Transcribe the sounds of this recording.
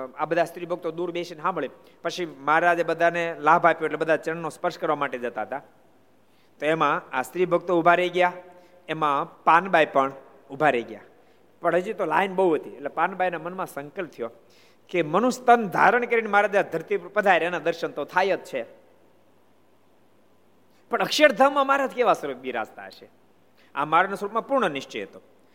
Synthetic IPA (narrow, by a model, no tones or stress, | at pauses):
abəd̪ʱast̪ɾibʱəɡ̚t̪od̪uɾbeʃinɦãməɭi | pət͡ʃʰimaɾad͡ʒabəd̪ʱanelabʱapjoeʈlebəd̪ʱat͡ʃənːospəɾʃkəɾʋamaʈed͡ʒət̪aɦət̪a | t̪oemãast̪ɾibʱəɡ̚t̪oubʱaɾəjɡja | emãpanbajpəɳ | ubʱaɾəiɡja̰ | pəɳɦəd͡ʒit̪olajnbəɦuɦət̪ieʈlepanbajnamənmãsəŋkəlp̚t̪ʰijo | kemənũst̪ənd̪ʱa̰ɾəɳkəɾinemaɾad̪ad̪ʱəɾt̪ipəd̪ʱajɾenad̪əɾʃənt̪ot̪ʰajət̪̚t͡ʃʰe | pəɳəkʃəɾd̪ʱaʋmãmaɾad͡ʒ̪keʋasəɾok̚biɾa̰st̪a̰əʃe | a̰maɾnasɾupmãpuɾɳənɪʃt͡ʃḛɦət̪o